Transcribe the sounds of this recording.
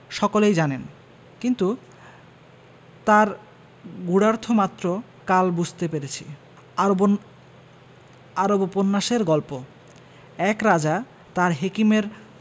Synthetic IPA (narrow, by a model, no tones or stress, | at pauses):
ʃɔkolejd͡ʑanen | kint̪u | t̪aɾ | ɡuɽaɾt̪ʰomat̪ːɾo | kalbud͡ʑʱt̪epeɾet͡ɕʰḭ | aɾoboponːaʃeɾɡɔlpo | ɛkɾad͡ʑa | t̪aɾɦekimeɾ